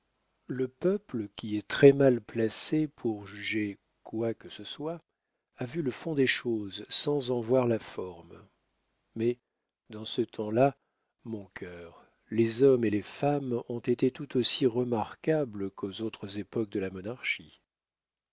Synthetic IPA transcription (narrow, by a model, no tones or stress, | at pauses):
ləpœpləkʲiɛt̪χɛmalplasepʰuʁʒyʒe | kwakəsəswa | avyləfɔ̃d̪eʃozsɑ̃zɑ̃vwaʁlafɔʁm | mɛ | d̪ɑ̃sət̪ʰɑ̃la | mɔ̃kʰœʁ | lezɔmelefamɔ̃t̪et̪et̪ut̪osiʁəmaʁkabləkʰozot̪χəzepɔk̚d̪əlamɔnaʁʃi